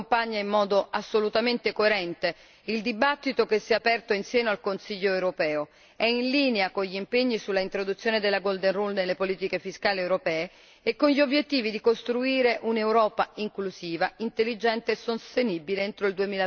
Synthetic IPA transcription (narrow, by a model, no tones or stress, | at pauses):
mpaɲːaimːɔːd̪oasːolut̪ament̪ekoeɾɛnt̪e | ild̪ibat̪ːit̪okesːiɛapɛrt̪oinsjɛːnoalkonsiʎːoewɾopɛːo | ɛinliːneakoɲʎimpeɲːisulːaint̪ɾod̪ut̪sːjoːned̪elːaɡold̪ɛnrulnelːepoliːt̪ikefiskaːliewɾopɛːe | ekːonʎiobjet̪ːiːvid̪ikost̪ɾuiːɾeʔunewɾɔːpaiŋklusiːvaint̪elːid͡ʒɛnt̪esost̪enibileent̪ɾoild̪uemiːla